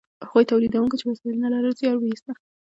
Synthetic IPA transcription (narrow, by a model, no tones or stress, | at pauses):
haɣujt̪awlid̪awuŋkat͡ʃewasilnalaɾəzjɑɾwijist̪a